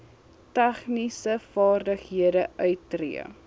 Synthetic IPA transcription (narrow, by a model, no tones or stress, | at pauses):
tæχnisəfɑːrdəχɦiədəʔœɥtːrḭə̰